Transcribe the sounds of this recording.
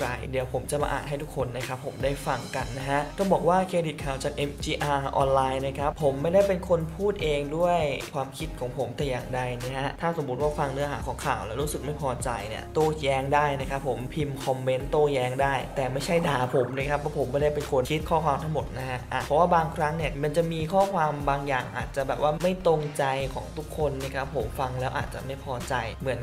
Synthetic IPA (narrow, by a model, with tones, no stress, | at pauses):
ɾa̰˧˩jdi˨˩˦əwpʰo˩˦mt͡ɕa˨˩ma̰˧ʔa̰ː˨˩ɦa˥˩jt̪u˦˥kʰːo˧nːa˦˥˩kʰa˦˥pʰːo˩˦mdaː˥˩jfa˧ŋka˧nːa˦˥ɦa˦˥ʔt̪ʰɔ˥˩ŋbɔː˨˩k̚waː˥˩kʰeː˧di˨˩t̪̚kʰaː˨˩wt͡ɕaː˨˩k̚ʔe˦˧˥mt͡ɕiː˧ʔaː˧ʔɔ̰ː˧nlaː˧jna˧˥˩kʰɾa˦˥pʰːo˩˦mːa˥˩jda˥˩jpe˧nkʰo˧npʰuː˥˩t̪̚ʔeː˧ŋdu˥˩əjkʰwaː˧mkʰi˦˥t̪̚kʰɔː˩˦ŋpʰo˩˦mt̪ɛː˨˩jaː˨˩ŋda˧jna˦˥ɦʔt̪ʰaː˥˩so˩˦mu˦˥t̪̚waː˥˩fa˧ŋnɯ˦˥ɐɦa̰ː˩˦kʰɔː˩˦ŋkʰa̰ː˨˩wlɛː˦˥wɾuː˦˥sɯ˨˩k̚ma˥˩jpʰɔː˧t͡ɕa˧jnḭ˥˩ɐt̪oː˥˩jɛː˦˥ŋdaː˥˩jna˦˥kʰa˦˥pʰːo˨˩˦mpʰi˧mkʰɔ˧mːe˦˥nt̪oː˥˩jɛː˧˦˥ŋdaː˥˩jt̪ɛː˨˩ma˥˩jt͡ɕʰa˥˩jdaː˧pʰo˩˦mna˧˥˩kʰa˦˥pʰːɔ˦˥pʰo˩˦mːbɔː˥˩da˥˩pe˧nkʰo˧nkʰi˦˥t̪̚kʰɔː˥˩kʰwaː˧mt̪ʰa˦˥ŋmo˨˩t̪̚na˦˥kʰa˦˥ʔʔa˧˩pʰɔ˦˥waː˥˩baː˧ŋkʰɾa˦˥ŋni˥˩ɐma˧nt͡ɕa˨˩miː˧kʰɔː˥˩kʰwaː˧mbaː˧ŋja̰ː˨˩ŋʔa̰ː˨˩t̪̚t͡ɕa˨˩bɛː˨˩p̚waː˥˩ma˥˩jt̪o˧ŋt͡ɕa˧jkʰɔ̰ː˩˦ŋt̪ʰu˦˥kʰːo˧nːi˥˩kʰa˦˥pʰːo˩˦mfa˧ŋlɛː˦˥wʔa̰ː˨˩t̪̚t͡ɕa̰˨˩ma˥˩jpʰɔː˧t͡ɕa˧jmɯ˩˦ən